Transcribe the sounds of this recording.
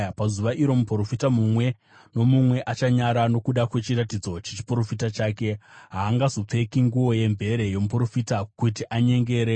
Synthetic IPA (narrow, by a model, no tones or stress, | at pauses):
pazuʋaʔiɾo̞muporo̞fitamumwe̞ | no̞mumwe̞ʔat͡ʃaɲaɾano̞kuɗakwe̞t͡ʃiɾatid͡zo̞t͡ʃet͡ʃi̥puro̞fitat͡ʃaːke̞ɦaːŋɡazo̞p͡fe̞kiŋɡuʋo̞je̞mbe̞ɾe̞je̞mupro̞fitakutiʔaɲe̞ŋɡe̞ːɾe